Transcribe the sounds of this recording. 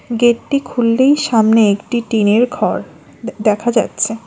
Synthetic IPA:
ɡeʈːikʰulːejʃamneekʈiʈineɾɡʱɔɾ | d̪ɛkʰad͡ʑa̰tːɕʰe

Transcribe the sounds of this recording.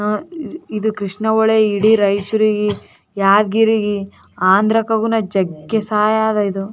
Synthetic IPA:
id̪ukɾiʂɳɐʋɔɭeiɽiɾɐjt͡ʃuɾiɡi | jaːd̪ɡiɾiɡi | aːnd̪ɾɐkɐɡunɐd͡ʒɐɡːesaːjaːd̪ɐid̪u

